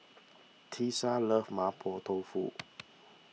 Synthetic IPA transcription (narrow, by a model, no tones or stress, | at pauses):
t̪ʰisaləfmapʰɔt̪ʰofṵ